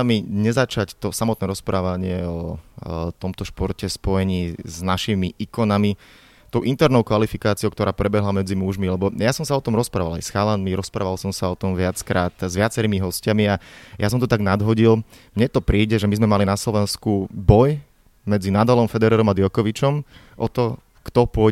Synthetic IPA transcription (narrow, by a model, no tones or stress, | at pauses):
miɲɛzat͡ʃact̪ɔsamɔt̪nɛːɾɔspɾaːʋaɲɪɛɔ | t̪ɔmt̪ɔʃpɔɾcɛspɔjɛɲiːznaʃimiʔikɔnami | t̪ɔʊʔint̪ɛɾnɔʊkʋalifikaːt͡siɔoʊkt̪ɔɾaːpɾɛbɛɦlamɛd͡zimuʒmilɛbɔjasɔmsaɔt̪ɔmɾɔspɾa̰ːʋala̰jsxalanmiɾɔspɾaːʋalsɔmsaɔt̪ɔmʋɪat͡skɾaːt̪zʋɪat͡sɛɾiːmiɦɔscamiajas̬ɔmt̪ɔt̪aɡnad̪ɦɔɟil | mɲɛt̪ɔpɾiːɟɛʒɛmizmɛmalinaslɔʋɛnskubɔj | mɛd͡zinaːd̪alɔmfɛd̪ɛɾɛːɾɔmad̪jɔkɔʋit͡ʃɔm | ʔɔt̪ɔ | kt̪ɔpʊɔ